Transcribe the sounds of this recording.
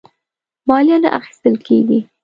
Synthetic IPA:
mɑljɑna̰ʔa̰xi̥st̪əlkʰeɡi

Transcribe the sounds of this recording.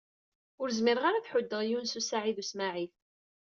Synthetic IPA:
ʊɾzmɪɾʁaɾaθħʊd̪ːəʁjunsusaʕiðusmaʕiθ

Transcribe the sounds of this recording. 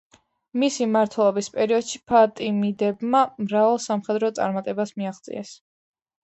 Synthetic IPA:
misimaɾt̪ʰwɛlˠɔbispʼɛɾiɔd̪̥ʃipʰat̪ʼimid̪ɛbmamɾavalˠsamχɛd̪ɾɔt̪sʼa̰ɾmat̪ʼɛbasmiaχd̪sʼḭɛs

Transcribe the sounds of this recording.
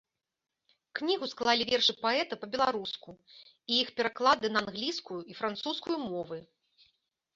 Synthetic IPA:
knʲiɣusklˠalʲivʲɛrʂɨpaɛt̪ɐpɐbʲɛlˠaɾusku | ijixpʲɛɾaklˠad̪ɨnɐnɣlʲiskujuifɾant̪suskujumɔvɨ

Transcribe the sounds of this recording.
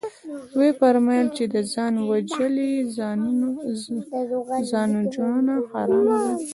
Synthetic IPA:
wefaɾmajlt͡ʃed̪əzɑnwad͡ʒəliz | zɑnod͡ʒɽunaxɑɾɑbd̪a

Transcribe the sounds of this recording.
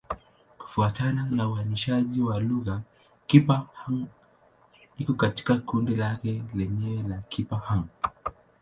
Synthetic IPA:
ku̥fuatananauaniʃaʄiwaluɣa | kipahaŋ | nikɔkati̥kakundilakɛlɛɲɛɛlakʰipahaŋ

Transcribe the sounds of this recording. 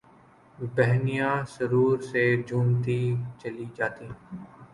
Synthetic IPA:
bɛɦnijãsəɾuːɾsed͡ʒʱuːmt̪it͡ʃɐlid͡ʒaːt̪iː

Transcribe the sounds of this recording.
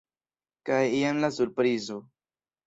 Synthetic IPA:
kajijamlasuɾpɾizo̞

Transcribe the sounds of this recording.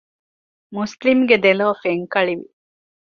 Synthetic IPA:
muslimɡed̪elɐʋɐfeŋkɐɭiʋḭ

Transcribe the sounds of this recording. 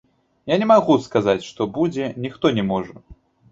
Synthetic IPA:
janʲɛmaɣuskazat͡sʲʂt̪ɔbud͡zʲɛnʲixt̪ɔnʲɛmɔʐɛ

